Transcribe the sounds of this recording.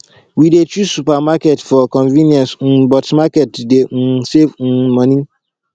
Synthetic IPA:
widet͡ʃusupamakɛtfɔkɔ̃nvĩnjɔ̃sñ̩bɔtmakɛtden̩sevn̩mɔ̃nĩ

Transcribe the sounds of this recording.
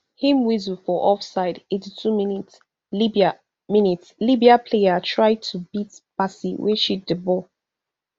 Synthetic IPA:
hĩmwizufɔʔɔfsaɪdetitʰuminits | liba | minitslibiapʰleatʰɹaɪd̚tʰubitpasiwḛʃit̚dəbɔl

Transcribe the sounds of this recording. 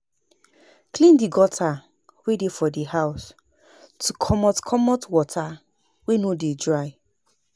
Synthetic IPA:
klĩndiɡɔtʰa | wedefɔdihaʊs | tʰukʰɔmɔtkʰɔmɔtwɔtʰa | wenodedɹaɪ

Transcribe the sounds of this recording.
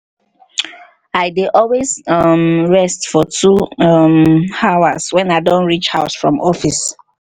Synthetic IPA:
aɪdeʔɔlwezʌmɹɛstfɔtʰumawaswɛ̃naɪdɔ̃nɹit͡ʃhaʊsfɹɔ̃mɔfis

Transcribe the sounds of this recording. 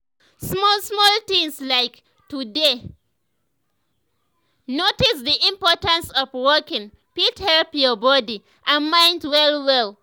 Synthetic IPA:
smɔsmɔlt̪ĩŋslaɪk | tude | notisðiʔĩmpɔtə̃nsɔvwɔkɪ̃ŋ | pithɛlpjɔbɔdi | ʔãnmãɪ̃ntwɛlwɛl

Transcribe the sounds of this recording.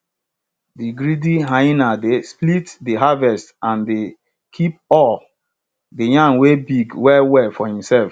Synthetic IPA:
diɡɾidiɦãinadesplitdiɦavɛstãnde | kʰip̚ɔl | dejãnwebiɡwɛwɛfɔhĩmsɛlf

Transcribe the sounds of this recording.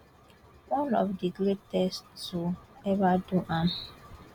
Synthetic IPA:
wɔ̃nɔ̰fdiɡɾetɛstsoɛvaduʔan

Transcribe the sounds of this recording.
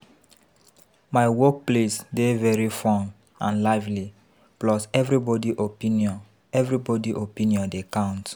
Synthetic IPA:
maɪwɔk̚plesdevɛɹifɔ̃n | ãnlaɪvli | plɔsɛvɹibɔdiʔopĩniɔ̃n | ɛvɹibɔdiʔopĩniɔ̃ndekãʊ̃nt

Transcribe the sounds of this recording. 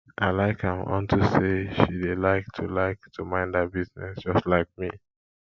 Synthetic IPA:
ʔaɪlaɪkhãmɔ̰̃ntʰuseʃidelaɪk̚tʰulaɪk̚tʰumãɪ̃ndat̚biznɛ̰sd͡ʒ̥ʌstlaɪk̚mi

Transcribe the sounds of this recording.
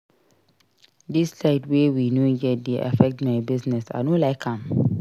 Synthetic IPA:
dislaɪdwewinoɡɛt̚deʔa̰fɛk̚tmaɪbiznɛsa̰nolaɪkʰãm

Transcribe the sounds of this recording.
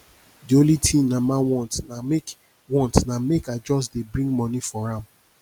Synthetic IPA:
diolitʰĩnãmawɔ̃ntnamek | wɔ̃ntnamekad͡ʒɔs̬debɹĩŋɡmɔ̃nifɔɹãm

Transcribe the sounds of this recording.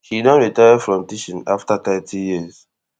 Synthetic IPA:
hidɔ̃nɹitajadfɹɔ̃mtiʃɔ̃naftat̪ɛtʰijiz̥

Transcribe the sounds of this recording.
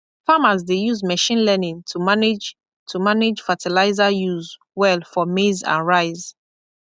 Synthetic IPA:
famazdejuzmɛʃĩnlɛnĩŋtʰumanid͡ʒ | tʰumanɪd͡ʒfatilaɪzajuz | wɛlfɔmezã̰nɹaɪz

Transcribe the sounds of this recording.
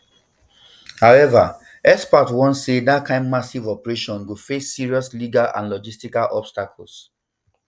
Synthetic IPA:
haʊɛva̰ | ɛspɔtwɔ̃nsedatkʰãɪ̃mmasivɔpɹeʃɔ̃nɡufesːiɹiɔsliɡalã̰nlɔd͡ʒistikalʔɔbstakɔl̩s

